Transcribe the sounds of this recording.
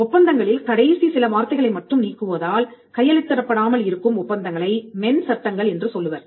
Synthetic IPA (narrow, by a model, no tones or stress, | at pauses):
ʊpːɐnd̪ɐŋɡɐɭɪlkɐɽɐjsisɪlɐʋaːɾt̪ːɐɪɣɐɭɐɪmɐʈrɯmniːkːɯʋɐðaːlkɐjːɐɭɪt̪ːɐɾɐpːɐɽaːmɐlɪɾɯkːɯmʊpːɐnd̪ɐŋɡɐɭɐɪmɛnsɐʈːɐŋɡɐɭɛndrɯsɔlːɯʋɐɾ